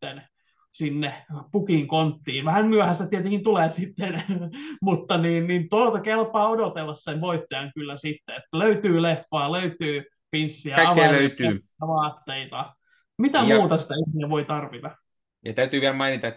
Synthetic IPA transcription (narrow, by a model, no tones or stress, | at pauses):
t̪ːen | sinːepukiŋkont̪ːiːʋæhænmyæhæst̪ːæt̪iɛt̪eŋkint̪uleːsit̪ːenmut̪ːɑniːnniːnt̪olt̪ɑkelpɑːodot̪elːɑsseʋʋoit̪ːojɑŋkylːæsit̪ːeet̪ːæløyt̪yːlefːɑːløyt̪yː | pinsːiæɑɑʋeɑːløyt̪yː | æʋɑːt̪ːeit̪ɑ | mit̪æmuːt̪ɑsi̥t̪æihiæʋoit̪ɑrʋit̪ɑ | jɑt̪æyt̪yːʋiælmɑinit̪ɑt̪ː